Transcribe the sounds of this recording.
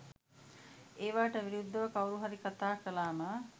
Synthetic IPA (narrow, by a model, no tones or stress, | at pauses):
eːʋaːʈəʋiɾud̪ːəʋəkawɾuɦaɾikat̪aːkəlaːmaː